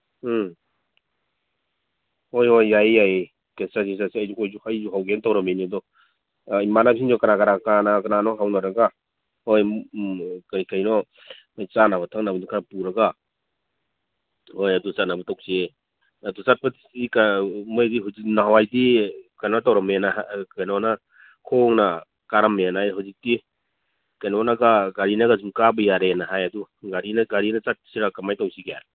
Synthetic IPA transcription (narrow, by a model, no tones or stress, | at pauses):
hojhojːajːaj | kesasis̬asiajd͡ʒukʰɔjd͡ʒuhajd͡ʒuɦawɡentawɾamejnidɔ | imanapiŋd͡ʒɔkaɾakaɾaknanakananɔɦawnaɾaɡa | hoj | kajkajnɔ | majt͡ʃanaβatʰaŋnabdukʰapuɾaɡa | hojadusanabɐtawsie | adusat̚patisikamojdiɦawzik̚naɦwajdikajnɔtawɾamenakajnɔna | kʰoŋna | kaɾamenajɦawzik̚ti | kajnɔnaɡaɡaɾinaɡazumkabɐjaɾenaɦajaduɡaɾinaɡaɾinat͡ʃat̚psiɾakamajtawsiɡja̰ɾ